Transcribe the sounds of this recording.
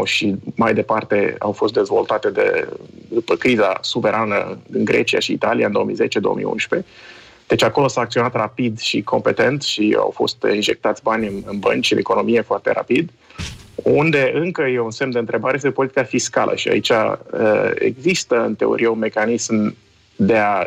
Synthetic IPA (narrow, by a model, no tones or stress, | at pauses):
ʃimajd̪e̞part̪e̞a̰wfo̞st̪d̪e̞zvo̞lt̪at̪e̞d̪ḛd̪upəkɾiza̰suve̞ɾʔanə̰iŋɡɾe̞t͡ʃia̰ʃiːt̪alijaɨnd̪oomḭze̞t͡ʃed̪o̞omḭjṵ̃nʃpe̞ | d̪̥et͡ʃako̞lo̞saːk̚t̪sio̞nat̪rapid̪ʃikʰompe̞t̪e̞nt̪ʃia̰wfo̞̰st̪inʒe̞k̚t̪at̪sʲbanʲɨnɨnbənt͡ʃiɨne̞̰ko̞no̞mije̞foart̪e̞̰ɾa̰pid̪ | und̪e̞ʔɨŋkəjeunse̞md̪eɨnt̪ɾe̞baɾejest̪epo̞lit̪ikafiskalʔə̰ʃia̰it͡ʃa̰əe̞̰ɡzist̪əɨnt̪e̞o̰ɾʔijeunme̞kanism | d̪e̞a